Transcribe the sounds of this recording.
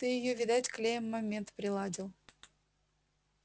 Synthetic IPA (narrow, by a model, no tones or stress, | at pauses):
t̪ɨjɪjovʲɪd̪atʲklʲejəmːɐmʲent̪pɾʲɪlˠɑdʲilˠ